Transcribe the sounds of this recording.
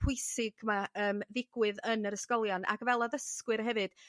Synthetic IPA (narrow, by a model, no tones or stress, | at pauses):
pʰʊjsɪɡ̥maəːmðɪɡ̥wɨðənəɾəskɔlˠjɔna̰kvɛlˠɔðəskwɨrɦɛvɨd̥